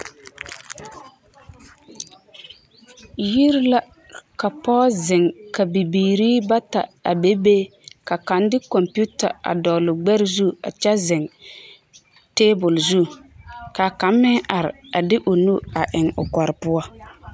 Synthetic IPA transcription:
ji˦ɾla˦ | ka˨pɔː˦zɪ˨ŋka˨bi˨biː˨ɾiː˦ba˦ta˨a̰˨be˦beː˦ka˨ka˨˦ndɪ˦kɔ˨mpu˦ta̰˨a̰˨dɔ˨lʊ˨ɡ͡bɛ˦ɾɪ˦zu˦˨a̰˨t͡ʃɛ˦zɪ˨ŋ | teː˦bʊ˨lzu˦˨ka˨ka˨˦mːɪ˦ŋʔa˨ɾɪ̰˨a˨dɪ˦ʔʊ˨nu˦a˨ʔɪ˨ŋʊ̰˨ka˨ɾɪ˨pʊ˦a˦

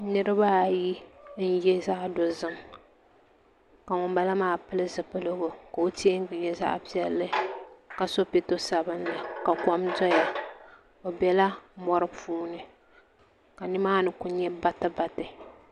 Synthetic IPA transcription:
nɨ˦ɾɨ˦ba˦ji˦n̩˦jɛ˦za˦ʔdo˨zɨ˦m | ka˨ŋʊ˨mba˦la˦maː˦pɨ˦lɨ˦zɨ˨pɨ˦lɨ˦ɡo˨ka˨o˦ti˦e˦ŋ˦ɡɲɛ˦za̰˦ʔpi˦ɛ˦lːɨ˦ka˨so˦pi˦to˦sa˨bɨ˦nla˨ka˨kɔ˦mdɔ˦ja˨ | o˨bɛ˨la˦mɔ˦ɾɨ˦puː˦nɨ˨ | ka˨nɪ˦maː˦nɨ˨kʊ˦ɲɛ˦ba˦tɨ˦ba˦tɨ˨

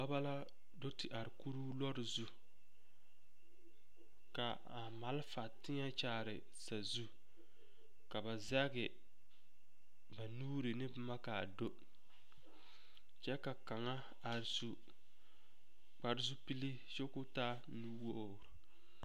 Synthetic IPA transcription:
ba˦ba˦la˦ | do˦tɪ˨ʔa˨ɾɪ˨ku˦ɾu˦lɔ˦ɾɪ˨zu˦ | ka˨ | a˨ma˨lfa˨tɪ˦ɲa˦t͡ʃaː˦ɾɪ˨ | sa˨zu˦ | ka˨ba˨za˦ɡɪ˨ | ba˨nuː˦ɾɪ˨nɪ˦bma˦ka˨do˦ | t͡ʃɛ˦ka˨ka˨ŋa˦ | a˨ɾsu˨ | k͡pa˨ɾɪ˦zu˦pi˦li˦ | ʃo˦kʊ˦taː˦ | nuː˦woː˦˨ɾʊ˨

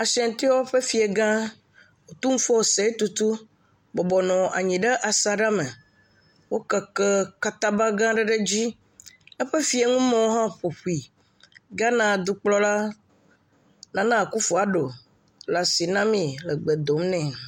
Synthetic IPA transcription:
a˨sɛ̃˨n˨t̪i˦wo˦ɸe˦fi˨e˨ɡã˦ | wo˨t̪u˦ŋũ˦fɔ˦wo˨se˨˦e˦t̪u˦t̪u˦ | bɔ˨bɔ˨nɔ̃˨ʔa̰˨ɲĩ˨ɖe˦ʔa˨sa˨ɖa˦me˨ | wo˦kɛ˨kɛ˦ka˦t̪ã˦ba˦ɡã˦ɖɛ˦ɖe˦d͡ʑi˦ | ɛ˦ɸe˦fi˦e˨ŋũ˦mẽ˨wo˦ɦã˦ɸo˨ɸu˨˦i˨ | ɡa˦nã˦˨d̪u˨k͡plɔ˦la˦ | nã˨˦nã˦˨ku˦fo˨a˨ɖo˨ | la˨si˨nã˦mĩ˨lɛ˨ɡ͡be˨d̪o˨mnɛ̃˨

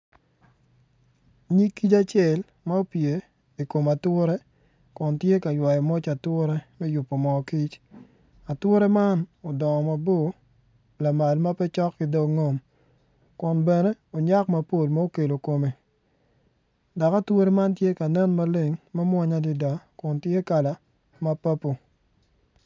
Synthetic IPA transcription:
ɲi˦kːi˦t͡ʃa˦t͡ʃɛ˨l | ma˦o˦pje˨ | i˨ko˨ma˨twʊ˦ɾe˦ | kʊ˨ntje˦ka˨jwa˨jɔ˨mo˦t͡ʃa˨twʊ˦ɾe˦mɛ˦jʊ˨pːo˨mɔ˨ki˦t͡ʃ | a˨twʊ˦ɾe˦ma˦nɔ˨dɔ˨ŋɔ˨ma˨bo˦˨ | la˨ma˨lma˦pɛ˦t͡ʃɔ˦kːɪ˦do˦ŋo˦m | kʊ˨nbɛ˨ne˦o˨ɲa˦kma˨po˨lma˦o˦ke˨lo˨ko˨me˨ | da˨ka˦two˦ɾe˦ma˦ntje˦ka˨nɛ˦nma˦le˦ŋmɛ˦mwa˦ɲa˦di˨da˨kʊ˨ntje˦ka˨la˨ | ma˦pa˦po˨

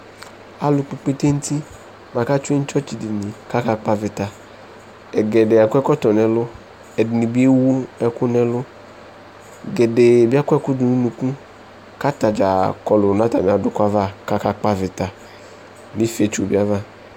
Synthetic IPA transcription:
a˨lʊ˨k͡pe˨k͡pe˦t̪e˦n̩˦t̪i˦ | mã˨ka˦t͡ʃe˦ɲ̩˦t͡ʃɔ˦t͡ʃi˨di˨ni˨ka˦ka˦k͡pa˦vɪ˨t̪a˨ | ɛ˨ɡɛ˨ɖe˨a˨kʊ˦ɛ˦kɔ˦t̪ɔ˨nɛ̃˨lʊ˦ | ɛ˨di˨nĩ˨bi˦e˦wu˦ɛ˨kʊ˦nɛ̃˨lʊ˦ | ɡɛ˨ɖe˨bi˦a˦kɛ˦kʊ˦du˨nũ˦nũ˨kũ˦ | ka˦t̪a˨d͡ʒa˨kɔ˨lʊ˨nã˦t̪a˨mĩ˨a˨dʊ˨ka˦va˦ka˦ka˦k͡pa˦vɪ˨t̪a˨ | mĩ˦fe˨˦t͡ʃu˨bi˦a˦va˦

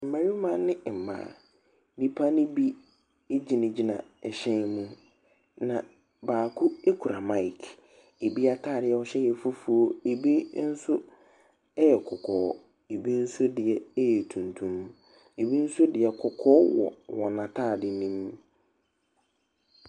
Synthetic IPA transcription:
m̩˨mã˨ɾi˦mã˦nːɪ̃˦˨m̩˨mã̰ː˨ | ni˦pʰa˦nɪ̃˦bi˦ | e˦d͡ʑi˨nɪ̃˨d͡ʑi˦nã̰˨ɛ˨ɕɛ̃˦nmũ˦ | nã˨ | baː˨kʰʊ˦e˦kʰu˨ɾa˨mã˦i˨kʰ | e˨bi˦a˦tʰaː˦˨dɪ˨˦ɛ˦ɔ˦ɕɛ˦jɛ˨fʊ˦fu˨o˦e˨bi˦n̩˦sʊ˦ | ɛ˦jɛ˨kʰɔ˨kʰɔː˨˦ | e˨bi˦n̩˦sʊ˦dɪ˨ɛ˦jɛ˨tʰũ˨ntʰũ˦m | e˨bi˦n̩˦sʊ˦dɪ˨ɛ˨kʰɔ˨kʰɔː˦wɔ̰˨wɔ˨nã˨tʰaː˦˨dɪ˨nĩ˦m

